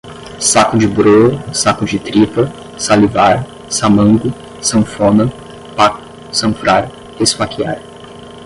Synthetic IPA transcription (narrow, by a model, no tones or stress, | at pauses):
sakʊd͡ʒɪbɾosakʊd͡ʒɪt̪ɾivɐ | salivaɾ | samɐ̃ŋɡʊ | sɐ̃fõnɐ | pak | sɐ̃fɾaɾ | esfakia̰ɾ